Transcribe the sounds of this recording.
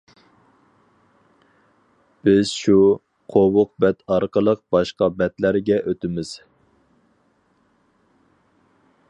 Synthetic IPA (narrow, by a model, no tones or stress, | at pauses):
b̥ɪz̥ʃu | qʰowʊq̚bɛt̪ʰɑɾqəlˠəq̚bɑʃqɑbɛt̪læɾɡʲɛʔøt̪ɪmɪz̥